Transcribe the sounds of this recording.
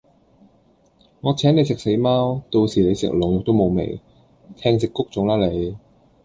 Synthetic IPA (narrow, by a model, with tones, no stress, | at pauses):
ŋɔː˨˧t͡sʰɛː˨˥ne˨˧jsɪ˨k̚se˨˥jmaː˥wt̪o˧wsiː˨˩le˨˧jsɪ̰˨k̚lʊ˨˩ŋjʊ˨k̚t̪o˥wmo˨˧wmḛ˨˩j | t̪ʰɛː˧ŋsɪ˨kːʊ˥k̚t͡sʊ˨˥ŋlaː˥le˨˧j